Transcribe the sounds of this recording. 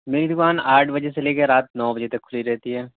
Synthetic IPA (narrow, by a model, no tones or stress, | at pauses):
meːɾid̪ʊkaːnaːʈʰbɐd͡ʒeseleːkeɾaːt̪nɔːbɐd͡ʒet̪ɐkːʰʊliɾɛɦt̪iɦɛː